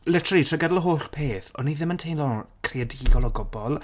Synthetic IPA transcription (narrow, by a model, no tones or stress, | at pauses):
lɛtʰritʰrəɡadlˠəɦoːɬpʰeːθɔnːiðɪməntʰejnlɔkʰriadiːɡɔlˠɔɡɔbɔlˠ